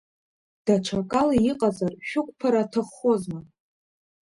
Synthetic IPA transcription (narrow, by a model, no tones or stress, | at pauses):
d̥aʈ͡ʂʷʰakʼalaiqʼazarʃᶣʊkʷʼpʰaɾatʰɨχozma